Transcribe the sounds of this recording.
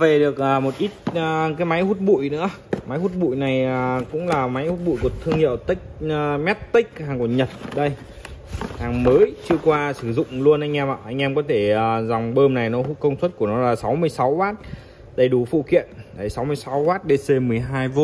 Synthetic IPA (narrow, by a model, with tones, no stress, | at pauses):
ve˨˩ɗɨ˨˩ək̚ʔəː˨˩mo˨˩t̚ʔi˦˥t̚əː˨˩kaː˨˦jma˨˦jhu˦˥t̚ɓṵ˧˨jnɨ̰˧˥ə | ma˨˦jhu˦˥t̚ɓṵ˧˨jna˨˩jəː˨˩kʊ̰˧˥ŋ͡mlaː˨˩ma˨˦jhu˦˥t̚ɓṵ˧˨jku˨˩ət̪ʰɨ˧əŋhḭ˧˨əwt̪ï˦˥k̟̚ːmɛ˦˥t̚t̪ï˦˥k̟̚haː˨˩ŋku˧˩ɲə˨˩t̚ɗə˧j | haː˨˩ŋməː˨˦jt͡ɕɨ˧əkwaː˧sɨ˧˩zʊ̰˧˨ŋ͡mlu˧ənʔa˧jŋ̟ʔɛ˧maː˧˨˩ʔa˧jŋ̟ʔɛ˧mkɔ˨˦t̪ʰe˧˩əː˨˩za˨˩wŋ͡mɓəː˧mna˨˩jnɔ˨˦˥kə˧wŋ͡mswə˦˥t̚ku˧˩ənɔ˨˦laː˨˩sa˨˦wmɨ˧əjsa˨˦wwaː˦˥t̚ | ɗə˧˩jɗu˧˩fṵ˧˨kḭ˧˨ənɗə˨˩jsa˨˦wmɨ˧əjsa˨˦wwaː˦˥t̚ɗe˧se˧mɨ˨˩əjɦaː˧jvo˧˦